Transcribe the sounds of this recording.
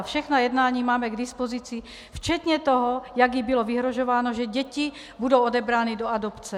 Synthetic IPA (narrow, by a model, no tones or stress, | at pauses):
fʃɛxnajɛd̪naːɲiːmaːmɛɡd̪ispɔzit͡si | ft͡ʃɛt̪ɲɛt̪ɔɦɔjaɡjibilɔviɦɾɔʒɔʋaːnɔʒɛɟɛci | bud̪owɔd̪ɛbɾaːnid̪ɔad̪ɔpt͡sɛ